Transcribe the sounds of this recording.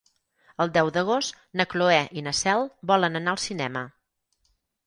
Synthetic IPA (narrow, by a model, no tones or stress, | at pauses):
əlˠd̪ɛwðəɣ̞ost̪ | nəkloɛʔinəsɛlˠbɔlənənaəlˠsinɛmə